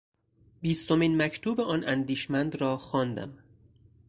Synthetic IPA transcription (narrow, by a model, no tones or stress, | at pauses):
biːst̪o̞miːnmæcʰt̪ʰuːbeɒːnʔæ̰nd̪iːʃmænd̪ɾɒːxɒːnd̪æ̰m